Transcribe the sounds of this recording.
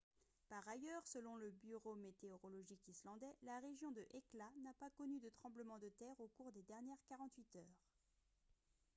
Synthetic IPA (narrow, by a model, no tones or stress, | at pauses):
paʁajœʁsəlɔ̃ləbyʁomet̪eɔʁɔlɔʒikislɑ̃d̪ɛlaʁeʒjɔ̃d̪əʔeklanapakɔnyd̪ət̪χɑ̃bləmɑ̃d̪ət̪ɛʁokuʁd̪ed̪ɛʁnjɛʁkaʁɑ̃t̪ɥit̪œːʁ